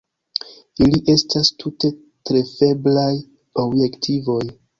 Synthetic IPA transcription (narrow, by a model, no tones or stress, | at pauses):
iliʔe̞stastʰute̞ | tɾe̞fe̞blaj | o̞bje̞ktʰivo̞j